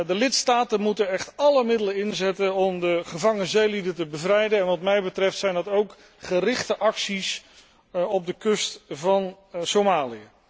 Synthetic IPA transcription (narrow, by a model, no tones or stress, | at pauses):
dəlɪtstaːtənmutənɛχtɑləmɪdələɪnzɛtənɔmdəχəvɑŋənzejlidətəbəvrɛjdəɛnʋɑtmɛjbətrɛftsɛjndɑtowk | χərɪχtəʔɑksis | ɔb̚dəkɵstvɑn | somaːliə